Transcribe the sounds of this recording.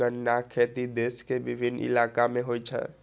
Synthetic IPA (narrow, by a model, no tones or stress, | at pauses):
ənːakʰeːt̪id̪eːskebɪbʱɪnɪ̰laːkamẽɦojt͡ʃʰɛ̰